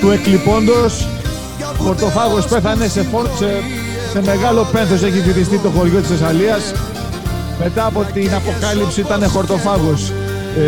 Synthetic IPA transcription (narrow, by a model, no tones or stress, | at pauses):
t̪ue̞klipo̞nd̪o̞s | xo̞ɾt̪o̞fɐɣo̞spe̞θɐne̞se̞fo̞nse | se̞me̞ɣɐlo̞pe̞nθos̬e̞çifiθist̪it̪o̞xo̞ɾʝo̞t̪isesɐliɐs | me̞t̪ɐːpo̞t̪inɐpo̞kɐlipsiit̪ɐne̞xo̞ɾt̪o̞fɐɣo̞s